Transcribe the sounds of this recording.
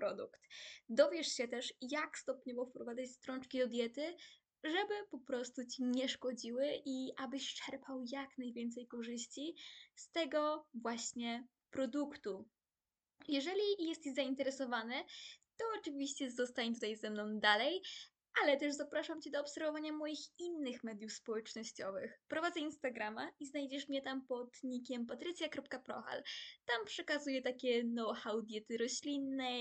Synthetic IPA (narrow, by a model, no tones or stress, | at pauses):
pɾɔd̪ukt̪d̪ɔvʲjɛʂɕɛt̪ɛʂjakst̪ɔpɲɔvɔfpɾɔvad̪zat͡ɕst̪ɾɔnt͡ʂkʲid̪ɔd̪ʲjɛt̪ɘ | ʐɛbɘpɔpɾɔst̪ut͡ɕiɲɛʂkɔd͡ʑiwɘʔiʔabɘɕt͡ʂɛɾpʰawjaknajvʲjɛnt̪sɛjkɔʐɘɕt͡ɕist̪ɛɡɔvwaɕɲɛ | pɾɔd̪ukt̪u | jɛʐɛlʲijɛst̪izaint̪ɛɾɛsɔvanɛt̪ɔɔt͡ʂɘvʲiɕt͡ɕɛzɔst̪aɲɛt̪ut̪ajzɛmnɔ̃w̃d̪alɛj | ʔalɛt̪ɛʐzapɾaʂamt͡ɕid̪ɔːpsɛɾvɔvaɲamɔjixinːɘxmɛd̪ʲjufspɔwɛt͡ʂnɔɕt͡ɕɔvɘxpɾɔvad̪zɛinst̪aɡɾamaiznajd͡ʑɛʂmɲɛt̪ampɔt̪ɲikʲɛmpat̪ɾɘt̪sʲjakɾɔp̚kapɾɔ̰xa̰lt̪ampʂɛkazujɛt̪akʲɛnɔwxawd̪ʲjɛt̪ɘɾɔɕlʲinːɛ